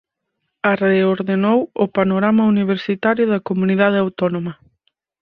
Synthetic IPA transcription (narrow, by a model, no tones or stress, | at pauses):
areoɾðenowʊpanoɾamɐuniβ̞eɾsit̪aɾjʊðɐkomuniðað̞eawt̪onomɐ